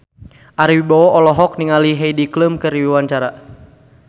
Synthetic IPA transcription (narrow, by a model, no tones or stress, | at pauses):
ʔaɾiwibɔwɔʔɔlɔɦɔk̚niŋaliɦɛjdikləmkɨriwiwaɲt͡ʃaɾa